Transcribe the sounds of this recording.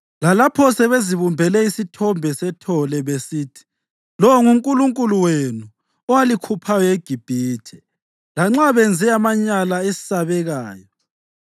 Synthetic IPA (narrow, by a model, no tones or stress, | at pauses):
lalapʰɔsɛβeziβumbʱɛlɛisitʰɔmbʱɛsɛtʰɔlɛβesiːtʰi̥ | lɔwŋuŋkʼuluŋkʼuluwenu | ɔwalikʰupʰajɔeɡ̥ʱib̥ʱiːtʰɛ̥ | laŋ͡ǁaβɛnd͡zʱɛamaɲalaesi̥saβɛɣaːjɔ